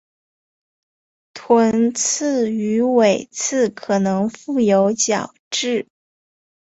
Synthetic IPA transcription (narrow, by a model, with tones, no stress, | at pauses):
t̪ʰwə˧˥nt͡s̩ʰ˥˩y˧˥we˨˩ɪt͡sʰɹ̩˥˩kʰɤ˨˩nɤ˧˥ŋfu˥˩jo˧˥ʊt͡ɕjɑ˨˩ʊʈ͡ʂɻ̩˥˩